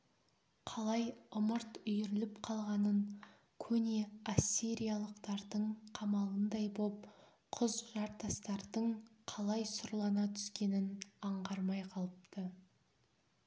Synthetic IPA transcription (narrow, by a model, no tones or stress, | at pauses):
qʰɑlˠɑjʊməɾt̪ʏjʏɾɪlɪpqʰɑlˠʁɑnəɴ | kʲʰɵneasʲːiɾijalˠəqt̪ɑɾd̪əɴqʰɑmɑlˠənd̪ɑjbop̚ | qʰʊzʒɑɾt̪ɑst̪ɑɾd̪əɴqʰɑlˠɑjsʊɾlˠɑnɑt̪ʰʏ̥skʲe̞nɪnɑɴʁɑɾmɑjqʰɑlˠəpt̪ə